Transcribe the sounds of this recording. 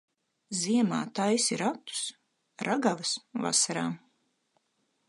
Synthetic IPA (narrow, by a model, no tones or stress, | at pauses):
ziɛma̰ːt̪ajsiɾat̪u̥s | ɾʔaɡavɨsva̰saɾa̰ː